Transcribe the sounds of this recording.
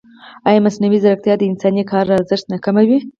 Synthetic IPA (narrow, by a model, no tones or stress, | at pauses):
ɑjamasnawizaɾak̚t̪jɑd̪əɪnsɑnikɑɾːaaɾzəʃt̪nakamawi